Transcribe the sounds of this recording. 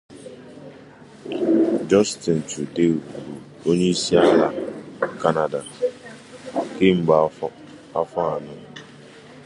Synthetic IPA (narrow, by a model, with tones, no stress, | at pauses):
d͡ʒɔ˦stɪ˨n̩˨t͡ʃu˨de˦u˨ɾu˨ | o˦ɲe˦i˦si˦a˦la˦ka˦na˨da˨ | ke˦˨m̩˦ba˨˦ | a˦fa˦a˨nʊ˦